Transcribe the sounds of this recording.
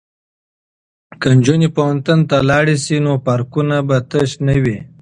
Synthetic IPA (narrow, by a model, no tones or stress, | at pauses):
kand͡ʒunipawant̪unt̪alɑɽisinopaɾkunabat̪əʃnəwi